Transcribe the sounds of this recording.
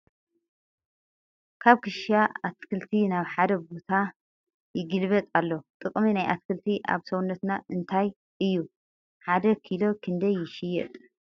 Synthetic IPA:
kʰaβkʰɨʃaat̪kʰɨlt̪ʰinaβħad̪ɐbot̪ʰa | jɪɡɨlβɐt̪ʼalːot̪ʼɨkʼminajʔat̪kʰɨlt̪ʰiʔa̰βsowunːɐt̪naʔɨnt̪ʰaj | ɨjːu | ħad̪ɐkʰilo̞kʰɨnd̪ɐjːɪʃɪjɛ̰t̪ʼ

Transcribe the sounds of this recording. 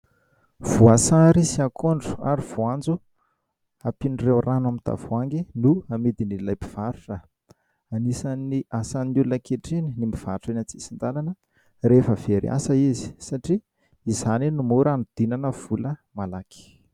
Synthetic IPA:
v̥uasaɾisiakʰoɳɖ͡ʐu̥a̰ɾiv̥uand͡zu | apiɳrewrʔanamid̪̥a̰vuaŋɡinuamed̪inilajpiv̥aɾuʈ͡ʂə | anisaniʔasaninulunəkeʈ͡ʂininimiv̥a̰ʈ͡ʂanat͡si̥sind̪alanə | refəveɾia̰səizi̥saʈ͡ʂiː | zaninumuɾanud̪̥inanəv̥uləmalaki̥

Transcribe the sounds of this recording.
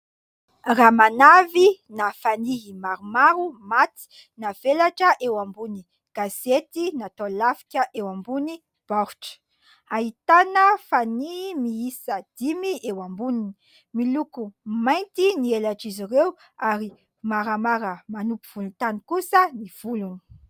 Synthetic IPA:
ramanavinafaniɦimaɾumaɾumat̪i̥ | nav̥elaʈ͡ʂəʔewambuni | ɡ̥az̥et̪inat̪olafi̥kʲəʔewambuni | b̥aɾuʈ͡ʂə̥ | aɦit̪anəfaniɦimiisəd̪̥imiʔewambunini | milukumajnt̪inielaʈ͡ʂiziɾew | aɾi | maɾamaɾəmanupiv̥ulunt̪anikusəniv̥uluni̥

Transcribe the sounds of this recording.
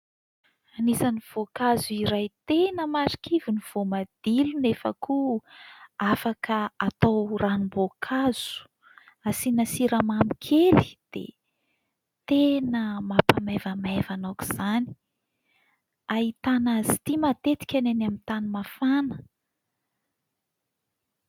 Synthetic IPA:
anisaniv̥okazuiɾajt̪enəmaɾi̥kiviniv̥omad̪̥ilunefa̰ku | afakəat̪awranumbokʰaz̥u̥ | asinasiɾamamikʰelid̪̥ḛ | t̪enəmapamavamajvanaku̥z̥ani̥ | ait̪anazit̪imat̪et̪i̥kʲananamint̪animafanə̥

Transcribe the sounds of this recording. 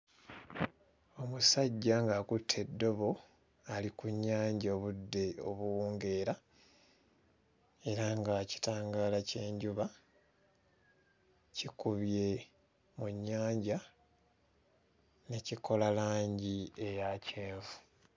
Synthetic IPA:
o̞musaɟːaŋɡaːkutʰːe̞dːo̞βo̞ | alikuɲːaːɲɟoβudːe̞o̞̰βuwuːŋɡe̞ɾa | e̞ɾaŋɡaci̥taːŋɡaːlace̞ːɲɟuβa | cikuβje̞ | muɲːaːɲɟa | ne̞ciko̞lalaːɲɟie̞jaceːvu

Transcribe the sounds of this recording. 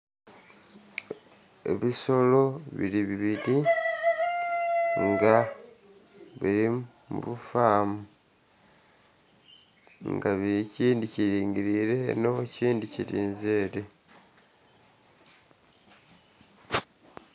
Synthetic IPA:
e̞̰βiso̞lo̞βḭɾiβiβiɾi | ŋɡa | βiɾi | mṵβufaːmu | ŋɡaβiciːndiciɾiːŋɡiɾiɾe̞no̞ciːndiciɾiːnzeːɾe

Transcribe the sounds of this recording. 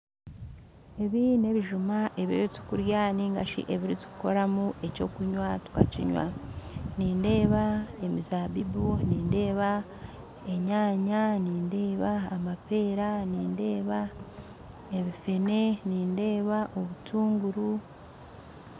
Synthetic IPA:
e̞βine̞βiʒumaʔe̞βiɾit͡su̥kuɾjaːniŋɡa̰ʃḭʔe̞βiɾit͡su̥kuko̞ɾamuʔe̞co̞kuɲwatu̥ka̰cḭɲwa̰niːnde̞ːβae̞mizaβibuniːnde̞ːβa | e̞ɲaːɲaniːnde̞ːβaːmape̞ːɾaniːnde̞ːβa | e̞βifene̞niːnde̞ːβaʔo̞βutʰuːŋɡuɾu

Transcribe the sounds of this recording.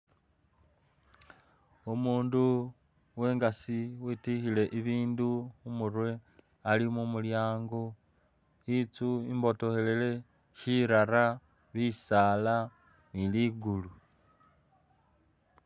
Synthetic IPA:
umuːndu | we̞ːŋɡasiwitixile̞ʔiβiːnduumurwe̞ | alimumuljaːŋɡo̞ | it͡suimbo̞to̞he̞le̞le̞ | ʃiɾaɾa | βisala | niliɡulu

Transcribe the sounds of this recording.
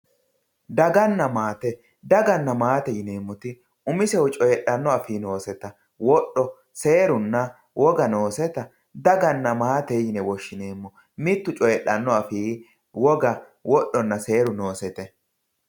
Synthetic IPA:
d̪ɐɡɐnːɐmaːt̪ɛ | d̪ɐɡɐnːɐmaːt̪ɛjɪne̞ːmːɔt̪ɪ | ʊmɪsɛwʊt͡ʃʼɔjɛɗːɐnːɔɐfiːno̞ːsɛt̪ɐ | wɔɗːɔ | se̞ːɾʊnːɐ | wɔɡɐno̞ːsɛt̪ɐ | d̪ɐɡɐnːɐmaːt̪ɛjɪnɛwɔʃːɪne̞ːmːɔ | mɪt̪ːʊt͡ʃʼɔjɛɗːɐnːɔɐfiː | wɔɡɐ | wɔɗːɔnːɐse̞ːɾʊno̞ːsɛt̪ɛ

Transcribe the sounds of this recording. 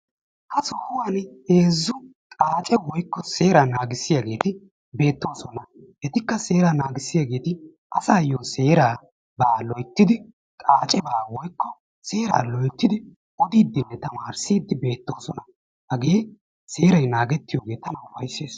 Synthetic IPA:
hɐsɔhʊwanheːzːʊ | kʼaːt͡ʃʼɛwɔjkːɔseːɾanaːɡɪsːɪjaɡe̞ːt̪ɪ | be̞ːt̪ːo̞ːsɔnɐ | ʔɛt̪ɪkːɐse̞ːɾanaːɡɪsːɪjaːɡe̞ːt̪ɪ | ʔɐsaːjoːse̞ːɾaː | baːlɔjt̪ːɪd̪ɪ | kʼaːt͡ʃʼɛbaːwɔjkːɔ | se̞ːɾa̰ːlɔjt̪ːɪd̪ɪ | ɔd̪iːd̪ːɪnːɛt̪ɐmaːɾsiːd̪ːɪbe̞ːt̪ːo̞ːsɔnɐ | hɐɡeː | se̞ːɾɐjnaːɡɛt̪ːɪjoːɡe̞ːt̪ɐnɐwʊfɐjsːeːs

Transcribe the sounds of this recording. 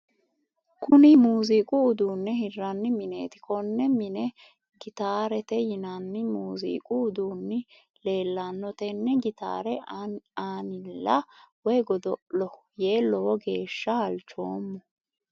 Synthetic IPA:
kʰʊnɪmuːziːkʼʊʊd̪uːnːɛɦɪrːɐnːɪmɪne̞̰ːt̪ɪ̥kɔnːɛmɪnɛ | ɡɪt̪aːɾɛt̪ɛjɪnɐnːɪmuːzḭːkʼʊːd̪uːnːɪ | le̞ːlːanːɔt̪ɛnːɛɡɪt̪a̰ːɾɛaːnɪlːɐwɛjɡɔd̪ɔlɔ | je̞ːlɔwɔɡe̞ːʃːɐhɐlt͡ʃo̞ːmːɔ

